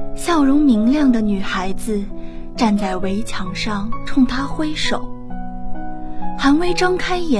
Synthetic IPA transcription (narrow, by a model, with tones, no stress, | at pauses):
ɕjɑ˥˩ʊɻʊ˧˥ŋmi˧˥ŋljɑ˥˩ŋd̪ə˩ny˨˩xa˧˥ɪd͡zɹ̩˧ | ʈ͡ʂa˥˧nt͡sa˥˩ɪwe˧˥ɪt͡ɕʰjɑ˨˩ŋʂɑ˥˩ŋʈ͡ʂʰʊ˥˧ŋt̪ʰa˥xwe˥ɪʂo˨˩˦ʊ | xa˧˥nwe˧˥ɪʈ͡ʂɑ˥ŋkʰa˥ɪjɛ˨˧˥